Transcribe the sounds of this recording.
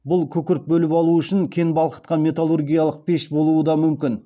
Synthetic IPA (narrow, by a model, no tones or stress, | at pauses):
bʊlˠkʲʰɵkʲɪɾɪp̪̚bɵlɪpɑlˠuəʏʃɪŋkʲʰe̞nbɑlˠqə̥t̪qɑmʲe̞t̪alˠurɡʲijalˠəq̚pʰe̞ʃbo̞lˠuəd̪ɑmʏmkʲɪn